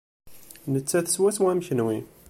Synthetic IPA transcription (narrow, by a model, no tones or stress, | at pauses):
nət͡sːæθə̥swæswæmçnwi